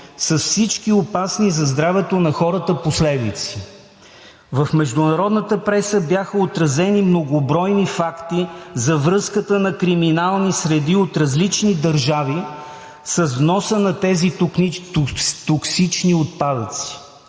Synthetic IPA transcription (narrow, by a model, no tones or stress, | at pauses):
sɐsfsit͡ʃkiopasnizɐzd̪ɾavɛt̪onɐxɔɾət̪əposlɛd̪it̪si̥ | vəfmɛʒd̪ʊnɐɾɔd̪nət̪əpɾɛsəbjaxəot̪ɾɐzɛnimnoɡʊbɾɔjnifakt̪izɐvɾɤskət̪ənɐkɾiminalˠnisɾɛd̪iot̪ɾɐzlit͡ʃnid̪ɐɾʒavi | sɐzvnɔsənɐt̪ɛzi | t̪oksit͡ʃniot̪̚pad̪ət̪si̥